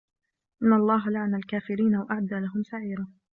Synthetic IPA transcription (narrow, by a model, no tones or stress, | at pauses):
ʔɪnːɑlˤːɑːɦalaʕanalkaːfɪɾiːnawaʔaʕad̪ːaːlaɦʊmsaʕiːɾa